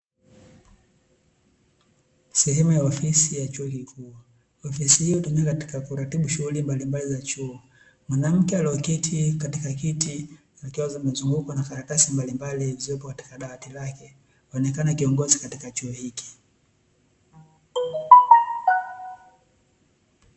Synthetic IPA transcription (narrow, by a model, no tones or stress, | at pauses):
sɛhɛmajaɔfisijat͡ʃuɔkikʰuː | ɔfisihiɔtɔnɛakati̥kakuɾatiɓuʃuɣulimbalimbalizat͡ʃuɔ | mwanam̩kɛaliakitʰikatikakiti | zakiwazamazuŋɡukɔnakaɾakasimbalimbaliziɔpɔkati̥kaɗaatilakɛ | haɔnɛkanakiɔŋɡɔzikatikat͡ʃuɔhiki̥